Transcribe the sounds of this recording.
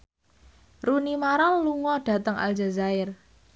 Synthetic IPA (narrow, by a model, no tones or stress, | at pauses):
runimaɾaluŋɔɖ̥ä̤t̪əŋa̰ld͡ʒa̤zaɪr